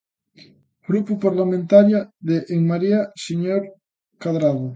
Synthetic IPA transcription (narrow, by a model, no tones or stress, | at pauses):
ɡɾupupaɾlamẽnt̪aɾjaðeʔːŋmaɾiasiɲoɾ | kaðɾaɣo